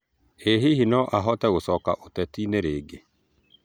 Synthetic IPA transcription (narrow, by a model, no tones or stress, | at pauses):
eɦihinɔʔaɦɔtɛɣosɔka̰ʔotɛtineɾeːɡe